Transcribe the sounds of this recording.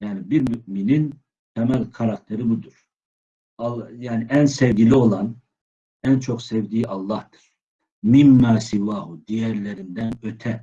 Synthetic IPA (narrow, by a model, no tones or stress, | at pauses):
jaːnibiɾmyʔminin | t̪ʰɛmælʲkʰaɾak̚t̪ʰeɾibud̪uɾ̥ | ɑljaːniʔænsɛvɟʲilʲio̞lˠɑn | ænt͡ʃʰo̞ksɛvd̪iːʔɑlˠːɑhd̪ɯ̥ɾ̥ | mimːaːsivaːhud̪ijæɾlʲeɾind̪ænø̞t̪ʰɛ